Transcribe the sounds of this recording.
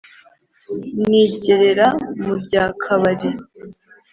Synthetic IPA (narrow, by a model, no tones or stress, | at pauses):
niːɟe̞ɾe̞ɾamubɟaːkʰaβaɾi